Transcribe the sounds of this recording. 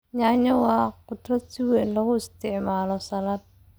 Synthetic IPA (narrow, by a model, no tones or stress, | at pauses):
ɲaːɲɐwɑːqʊd̪rɐsɪwɛːnlɐɣʊɪst̪ʰɪʕmaːlɔsɐlaːd̪̚